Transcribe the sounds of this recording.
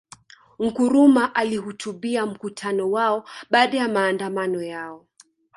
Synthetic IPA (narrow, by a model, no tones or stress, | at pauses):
ŋ̩kuɾumaʔalihutʰuɓiam̩kutʰanɔwaɔɓaːɗajamaːndamanɔjaɔ